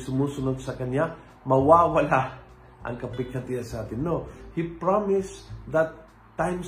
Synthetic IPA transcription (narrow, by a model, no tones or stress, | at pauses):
sʊmuːsʊnod̪̚sɐkɐnɲa | mɐwawɐla | ʔɐ̰ŋkɐpɪɡ̚ɐt̪iɐsɐʔaːt̪ɪnːohipɹamɪsðɐt̪ː | ãjm